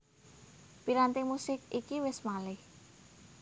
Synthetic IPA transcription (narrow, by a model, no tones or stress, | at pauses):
piɾant̪imusɪkikiwɪsmalɪh